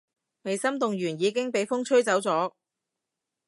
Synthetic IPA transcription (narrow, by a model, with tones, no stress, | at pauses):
me˨jsɐ˥mt̪ʊ˨ŋɥyː˨˩njiː˨˧kɪ˥ŋpe˨jfʊ˥ŋt͡ʃʰɵ˥ɥt͡sɐ˨˥wt͡sɔː˨˥